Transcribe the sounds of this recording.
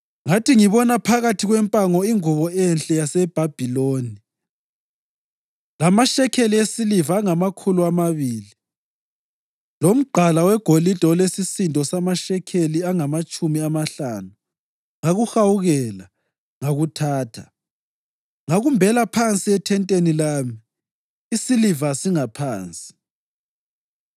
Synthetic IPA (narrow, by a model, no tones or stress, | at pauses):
ŋatʰiŋiβɔnapʰaɣatʰiɣwɛmpʼaŋɔiŋuβɔɛnɬʼɛjasɛb̥ʱab̥ʱiloːni | lamaʃɛkʰeliesilivaːŋamakʰuluamaβiːli | lom̩ɡ͡ǃʱalawɛɡ̥ʱolid̥ʱɔlesisindʱɔsamaʃɛkʰeliaŋamat͡ʃʼumiamaɬanu | ŋaɣuxawuɣɛla | ŋaɣutʰaːtʰa | ŋaɣumbʱɛlapʰant͡sʼiɛtʰɛntʼenilaːmiː | silivasiŋapʰaːnt͡sʼi̥